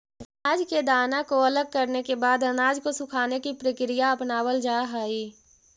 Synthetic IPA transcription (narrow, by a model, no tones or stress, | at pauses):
aːd͡ʒked̪aːnakoɐləɡ̚kəɾnekebaːd̪ɐnaːd͡ʒkosʊkʰaːnekipɾəkɾɪjaɐpnaːwəld͡ʒaːɦaːiː